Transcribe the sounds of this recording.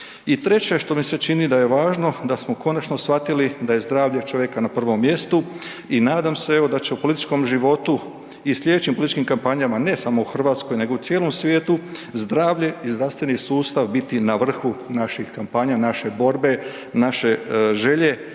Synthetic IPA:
it̪ɾe̞t͡ɕe̞ʃt̪o̞mise̞t͡ʃinid̪aje̞ʋaːʒno̞d̪asmo̞ko̞nat͡ʃno̞sfat̪ilid̪aje̞zd̪ɾaːʋʎe̞t͡ʃoʋje̞kanapr̩ʋo̞mːje̞st̪u | inaːd̪amsee̞ʋo̞d̪at͡ɕe̞upo̞lit̪i̥t͡ʃko̞mʒiʋo̞t̪u | islʎe̞d̪et͡ɕimpolit̪it͡ʃʃkimkampaɲamane̞samouxr̩ʋaːt̪sko̞jne̞ɡo̞ut̪jeːlˠo̞msʋje̞ːt̪uzd̪ɾaːʋʎe̞izd̪ɾast̪ʋe̞nisuːst̪aʋbit̪inaʋr̩xunaʃixkampaɲanaʃe̞bo̞ɾbe̞ | naʃe̞ʒe̞ʎe̞

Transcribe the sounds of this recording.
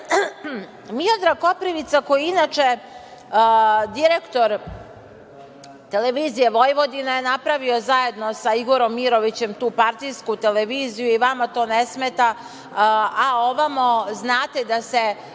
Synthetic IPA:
miod̪ɾako̞pɾiʋit̪sako̞jiinat͡ʃe | d̪iɾekt̪o̞ɾ | t̪eleʋiːzije̞ʋo̞jʋo̞d̪inajenapɾaʋio̞zaje̞d̪nosaiɡo̞ɾo̞mːiɾo̞ʋit͡ɕe̞mt̪uːpaɾt̪ijskut̪eleʋiːzijuiʋamat̪o̞ːnesmet̪a | ao̞ʋamoznaːt̪ed̪ase

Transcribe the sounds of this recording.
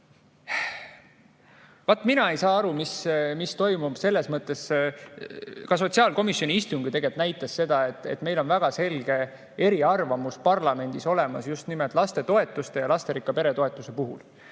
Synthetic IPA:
vɑt̪ːˑminɑe̞jsɑːɑɾumismist̪o̞jmub̥se̞lːe̞smɤt̪ːˑe̞s | kɑso̞t̪siɑːlko̞misjo̞nʲiist̪uŋɡ̥it̪e̞ɡe̞lt̪næjt̪ːˑɑsːe̞d̪̥ɑe̞t̪ːˑḛt̪ːme̞jlo̞nvæɡ̥ɑse̞lɡ̥e̞ | e̞ɾiɑrvɑmuspɑrlɑme̞nd̪̥iso̞le̞mɑsjust̪nimelt̪ˑlɑst̪e̞t̪o̞e̞t̪ːˑust̪e̞jɑlɑst̪e̞ɾikːˑɑpe̞ɾe̞t̪o̞e̞t̪ːˑuse̞puɦṵl

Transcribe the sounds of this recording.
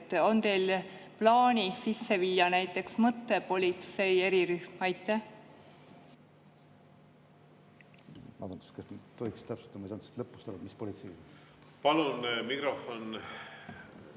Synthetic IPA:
t̪ːo̞nt̪e̞jlplɑːnʲisisːe̞vilʲjɑnæjt̪ːˑe̞ksmɤt̪ːepo̞lʲit̪se̞je̞ɾiɾyhmɑjt̪ːˑæh | mɑ̰d̪unt̪u̥skɑsnt̪oikst̪æpsu̥t̪ːˑɑmɑisɑnse̥st̪lɤpːˑu̥st̪oɾud̪mispo̞lit̪sej | pɑlunmikɾofon

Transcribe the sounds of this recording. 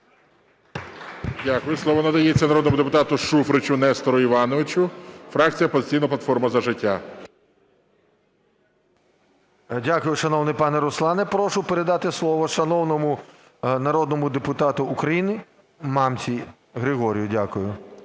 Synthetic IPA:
dʲakʊjʊslˠɔʋɔnɐd̪ɐjet͡sʲːɐnɐɾɔd̪nmʊd̪epʊt̪ɑt̪ʊʃufɾɪt͡ʃʊnɛst̪ɔɾɔiʋɑnɔʋɪt͡ʃʊfɾɑk̚t͡sʲijɐpɔzɪt͡sʲijnɐplˠɐt̪fɔrmɐzɐʒɪtʲːa | dʲakʊjʊʃɐnɔwnɪjpɑnɛɾʊslˠɑnɛpɾɔʃʊpeɾed̪ɑt̪ɪslˠɔʋɔʃɐnɔwnɔmʊ | nɐɾɔd̪̚nɔmʊd̪epʊt̪ɑt̪ʊːkɾɐjinɪ | mɑmt͡sʲi | ɣɾɪɦɔɾʲjʊdʲakʊjʊ

